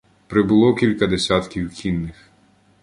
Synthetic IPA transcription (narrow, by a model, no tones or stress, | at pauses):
pɾɪbʊlˠɔkʲilʲkɐd̪esʲat̪kʲiwkʲinːɪx